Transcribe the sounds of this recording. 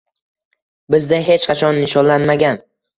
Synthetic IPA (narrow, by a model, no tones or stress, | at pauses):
bɪzd̪aɦe̞t͡ʃqʰɑt͡ʃʰɒnːɪʃɒnlanmaɡʲan